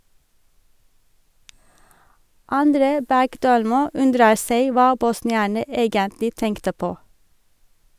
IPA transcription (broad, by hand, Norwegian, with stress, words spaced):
ɑnˈdɾeː ˈbæɡˌdøːlmuː ˈʉndɾə ˈseɪ ˈʋɑː bɔsnɪˈæːɳə ˈeːɡəntlɪ ˈtɛŋktə ˈpoː